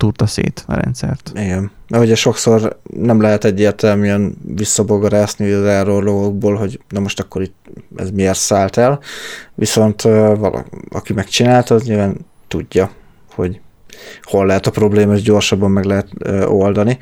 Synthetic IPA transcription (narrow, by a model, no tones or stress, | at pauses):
t̪urt̪ɒsḛːt̪ɾɛ̰nt̪sɛ̰rt̪iɡɛn | nɛɦoɟɛʃo̞kso̞rnɛmlɛɦɛt̪ɛɟːeːrt̪ɛlmyɛnvisːɒboɡɒɾaːzniɒzɛːrorloɡoɡ̚boːlɦo̞ɟnɛmo̞ʃt̪ɒkːo̞ɾit̪ɛ̰zmieːrt̪saːlt̪ɛlʋiso̞nt̪ːvɒ̰lʔɒ̰ɒ̰kimɛkt͡ʃinaːlt̪ɒzɲilvaːn | t̪uɟːɒ | ho̞̰ɟ | ho̞lːɛɦɛt̪ɒpro̞bleːmɒeʒɟo̞ːrʃɒbːɒmːɛɡlɛɦɛt̪ːo̞ld̪ɒni